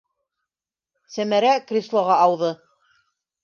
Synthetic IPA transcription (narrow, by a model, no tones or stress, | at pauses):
sæmæɾækrʲislˠoʁɑʔɑwðɤ